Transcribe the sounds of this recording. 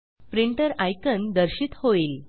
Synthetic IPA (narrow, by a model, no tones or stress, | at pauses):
fɾiɳʈəɾajkənd̪əɾɕiːt̪hoiːl